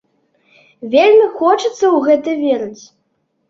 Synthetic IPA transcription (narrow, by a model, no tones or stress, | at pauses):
vʲelʲmʲixɔt͡ʂɨt̪sːɐwɣɛt̪ɨvʲeɾɐt͡sʲ